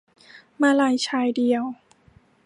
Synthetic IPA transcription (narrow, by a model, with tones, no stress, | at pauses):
maː˧la˧˩jt͡ɕʰaː˧˩jdi˧əw